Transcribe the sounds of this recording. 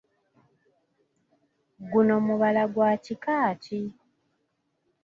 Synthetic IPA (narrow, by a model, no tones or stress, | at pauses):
ɡuno̞muβalaɡwaːcikaːtʰi